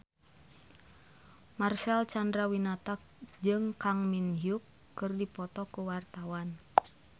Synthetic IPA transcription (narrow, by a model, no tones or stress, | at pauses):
marsɛlt͡ʃandɾawinat̪ak̚d͡ʒɨŋkaŋminɦjukː | ɨrdipɔt̪ɔkuwart̪awan